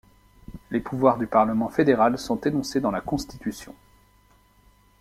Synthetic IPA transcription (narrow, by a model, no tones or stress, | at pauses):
lepʰuvwaʁd̪ypaʁləmɑ̃fed̪eʁalsɔ̃t̪enɔ̃sed̪ɑ̃lakɔ̃st̪it̪ysjɔ̰̃